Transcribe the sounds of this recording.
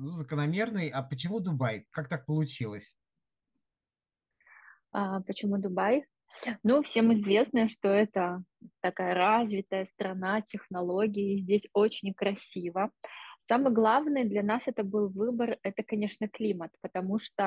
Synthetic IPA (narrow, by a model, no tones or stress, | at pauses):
nuzəkənɐmʲe̞rnɨjapət͡ɕɪmud̪ʊbajkak̚t̪ak̚pəlˠʊt͡ɕilˠəsʲ | apət͡ɕɪmud̪ʊbaj | nufsʲe̞mɪzvʲe̞snəjəʂt̪oɛt̪ət̪ɐkajəɾazvʲɪt̪əjəst̪ɾɐnatʲɪxnɐlˠo̞ɡʲɪɪːzʲdʲesʲo̞t͡ɕɪnʲkɾɐsʲivəsamɨjɡlˠavnɨjəd̪lʲɐnasɛt̪əbɨlˠvɨbərɛt̪əkɐnʲe̞ʂnəklʲimət̪pət̪ɐmuʂt̪o